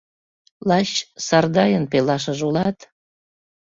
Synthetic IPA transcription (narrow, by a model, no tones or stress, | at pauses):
lɑɕsɑrd̪ɑjənpelɑʃəʒulɑt̪